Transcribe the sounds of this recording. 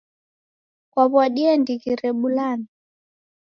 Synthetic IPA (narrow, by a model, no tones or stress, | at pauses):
kwaβwaɗiɛndiɣiɾɛɓulani